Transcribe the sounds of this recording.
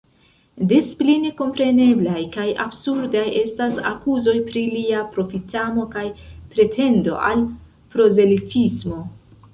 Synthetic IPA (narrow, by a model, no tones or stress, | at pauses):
de̞spline̞ko̞mpɾe̞ne̞blajkaja̰bsuɾdajʔe̞stasa̰kuzo̞jpɾiliapɾo̞fitamo̞kajpɾe̞tʰe̞ndo̞̰ʔal | pɾo̞ze̞litʰismo̞